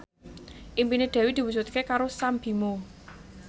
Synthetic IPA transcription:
ʔimpined̪̥ɛ̤wid̪̥i̤wud͡ʒut̪̚kekaɾosambi̤mo

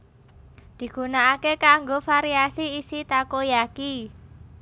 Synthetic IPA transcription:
d̪̥i̤ɡ̥ṳnaːkekaŋɡofaɾiasiːsit̪akojaki

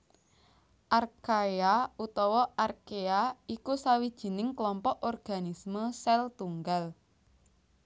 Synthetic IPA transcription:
ʔarkajaut̪ɔwɔʔarkeaikusawid̥ʒ̥i̤nɪŋklɔmpɔʔɔrɡ̥a̤nisməsɛlt̪uŋɡal

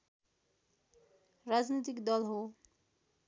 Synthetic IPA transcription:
rad͡znit̪ikd̪ʌlɦo

